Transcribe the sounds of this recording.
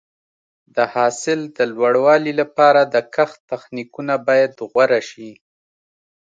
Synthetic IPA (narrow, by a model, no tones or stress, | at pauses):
d̪əhɑsɪld̪əlwaɽwɑlilapɑɾad̪əkaxt̪axnikunabɑjad̪ɣwaɾaʃi